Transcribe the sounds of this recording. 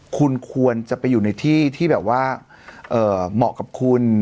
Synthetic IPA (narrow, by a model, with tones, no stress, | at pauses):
kʰu˧nkʰu˧ənt͡ɕa˨˩pa˧jːuː˨˩na˧jt̪ʰiː˥˩t̪ʰiː˥˩bɛː˨˩p̚waː˥˩ | ʔɤː˨˩mɔ̰˨˩ka˨˩p̚kʰu˧n